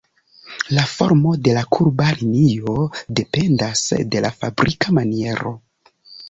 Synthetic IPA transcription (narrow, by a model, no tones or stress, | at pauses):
lafo̞̰ɾmo̞de̞lakʰuɾbalinio̞de̞pe̞ndasde̞la̰fabɾʔikamanie̞ɾo̞̰